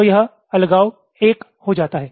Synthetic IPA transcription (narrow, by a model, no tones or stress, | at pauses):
jɐɦ | ɐlɡaːo | eːk | hod͡ʒaːt̪aɦɛː